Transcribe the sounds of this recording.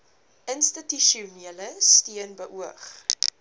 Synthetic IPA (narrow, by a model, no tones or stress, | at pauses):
ʔənstityʃiuniələstiənbəʔuəχ